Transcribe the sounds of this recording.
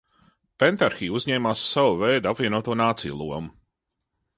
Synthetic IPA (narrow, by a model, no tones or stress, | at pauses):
pɛnt̪aɾxiːuzʲɲɛːmaːsːawuvɛjd̪apvʲiɛnuɔt̪uɔnaːt̪sḭj̰lˠuɔmu